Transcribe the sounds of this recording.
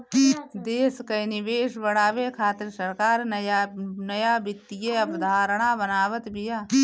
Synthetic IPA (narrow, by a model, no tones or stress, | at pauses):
d̪eːskɐjnɪʋeːʃbɐɽaːʋekʰaːt̪ɪɾsəɾkaːɾnɐjanɐjaːbɪt̪ːijeɐbd̪ʱaːɾəɽ̃abənaːʋət̪bʱijaː